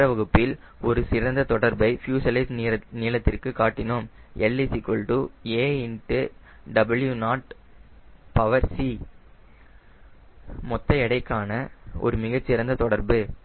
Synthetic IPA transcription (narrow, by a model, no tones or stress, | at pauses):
ɐʋɐɣɯpːɪl | ɔɾɯsɪɾɐnd̪ɐt̪ɔɽɐɾbɐɪfjuːsɐlɐɪsniːlɐt̪ːɪrkɯkːaːʈːɪnom | ʔɛlːisikːɔɭʈueːɪnʈɯ | ɖɐbɪljunaːʈ | pɐʋɐɾsi | mɔt̪ːɐɛɽɐɪkːaːnɐʔɔ̰ɾɯmɪɣɐt͡ʃːɪɾɐnd̪ɐt̪ɔɽɐɾbɯ